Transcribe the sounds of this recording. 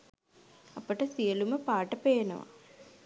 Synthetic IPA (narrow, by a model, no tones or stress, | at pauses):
ɐpəʈɐsijɐluməpaːʈɐpeːnɐ̰ʋa̰